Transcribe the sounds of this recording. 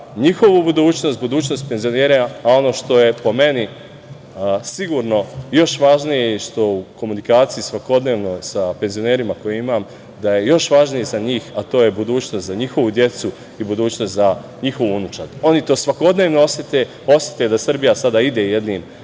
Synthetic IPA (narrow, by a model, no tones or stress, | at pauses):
ɲixo̞ʋubud̪uːt͡ɕno̞st̪̚bud̪uːt͡ɕno̞st̪̚penzijo̞neːɾeao̞no̞ʃt̪o̞je̞po̞me̞ni | siɡuɾno̞jo̞ʃʋaʒnijeʃt̪o̞uko̞munikaːt̪siisʋako̞d̪ne̞ːʋno̞sape̞nzione̞ːɾimako̞jeimam | d̪aje̞jo̞ʃʋaʒnijezaɲiːxat̪oːje̞bud̪uːt͡ɕnost̪zaɲixo̞ʋud̪je̞t̪su | ibud̪uːt͡ɕnost̪za | ɲixo̞ʋunut͡ʃaɾo̞nit̪o̞ːsʋako̞d̪ne̞ːʋnoosjet̪e | o̞sjet̪ed̪asr̩bijasad̪aid̪e̞jed̪niːm